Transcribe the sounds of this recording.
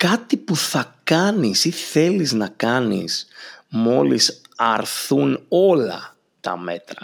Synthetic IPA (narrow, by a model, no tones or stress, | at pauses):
kɐt̪ipuθɐkɐnisiθe̞liznɐkɐnḭsmo̞lisɐɾθuno̞lɐ̰ | t̪ɐ̰me̞t̪ɾɐ